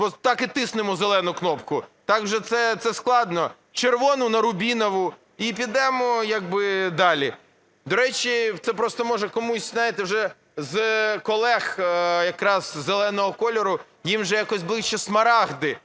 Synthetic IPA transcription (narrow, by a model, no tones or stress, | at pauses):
ɔt̪ɑkɪt̪ɪsnɪmɔzelˠɛnʊknɔpkʊt̪ɑkwʒɛt̪sɛt̪sɛsklˠɑd̪nɔ | t͡ʃerʋɔnʊnɐɾʊbʲinɔʋʊ | ip̬ʲid̪ɛmɔjaɡ̚bɪd̪ɑlʲi | d̪ɔɾɛt͡ʃʲit̪sɛpɾɔst̪ɔmɔʒɛkɔmusʲzajɪt̪ɪwʒɛ | zkɔlˠɛxjɐkɾɑz̥zelˠɛnɔɦɔkɔlʲɔɾʊ | jimʒɛjakɔsʲblˠɪʃt͡ʃɛsmɐɾɑɣd̪ɪ